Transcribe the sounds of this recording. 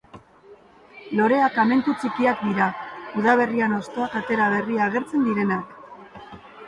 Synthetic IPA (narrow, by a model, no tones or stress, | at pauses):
lo̞ɾe̞akame̞nt̪ut͡sikiak̚d̪iɾauðaβ̞e̞riano̞st̪o̞akat̪e̞ɾaβ̞e̞riaːɣ̞e̞ɾt͡se̞nd̪iɾe̞nak